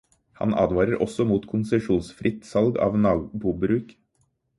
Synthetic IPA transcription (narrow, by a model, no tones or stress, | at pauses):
hɑ̰nɑ̰ːd̪ʋɑːɾəɾʔɔ̰sɔmuːt̪kʰʊnsɛʂuːnsfɾʔɪt̪sɑlɡɑ̰ːʋnɑːbuːbɾʉːk